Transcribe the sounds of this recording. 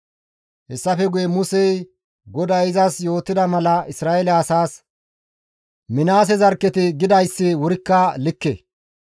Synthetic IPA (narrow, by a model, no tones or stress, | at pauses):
hɛsːɐfɛɡʊjɛmʊsɛj | ɡɔd̪ɐjɪzɐsjo̞ːt̪ːɪd̪ɐmɐlɐɪsɾaːɛlɛɐsaːs | mɪnaːs̬ɛzɐɾkːɛt̪ɪɡɪd̪ɐjsːɪwʊɾɪkːɐlɪkːɛ̰